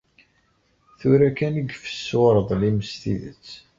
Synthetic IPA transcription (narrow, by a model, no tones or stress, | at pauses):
θuɾækænəɡfə̥sːwɾˤəðˤliməst̪ḭðə̰t͡sː